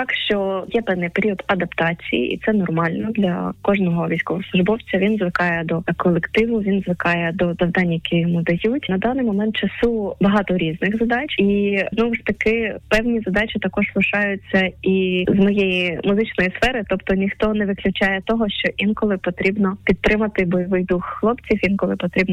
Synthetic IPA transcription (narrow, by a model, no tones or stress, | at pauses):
ɑkʃt͡ʃɔjɛpɛwnɪjpeɾʲiɔd̪ɐd̪ɐpt̪ɑt͡sʲḭjḭʔḭt̪sɛnɔrmɑlʲnɔd̪lʲɐ̰kɔʒnɔɦɔʋʲijsʲkɔʋɔsˠʊʒbɔwt͡sʲɐʋʲinzʋɪkɑjɛd̪ɔkɔlˠekt̪ɪʋʊʋʲinzʋɪkɑjɛd̪ɔzɐwd̪ɑnʲːɐjɐkʲijɔmud̪ɐjutʲnɐd̪ɑnɪjmɔmɛnt̪̚t͡ʃɐsubɐɦɑt̪ɔɾʲiznɪɣzɐd̪ɑt͡ʃʲiznɔʋʊʂt̪ɐkɪpɛwnʲizɐd̪ɑt͡ʃʲɪt̪ɐkɔʒzlˠɪʃɑjʊt͡sʲːɐizmɔjejimʊzɪt͡ʃnɔjisfɛɾɪt̪ɔpt̪ɔnʲixt̪ɔnɛʋɪklʲʊt͡ʃɑjɛt̪ɔɦɔʃt͡ʃɔʔinkɔlˠɪpɔt̪ɾʲibnɔpʲit̪̚t̪ɾɪmɐt̪ɪbɔjɔʋɪjd̪uxːlˠɔpt͡sʲiwʲinkɔlˠɪpɔt̪ɾʲibnɔ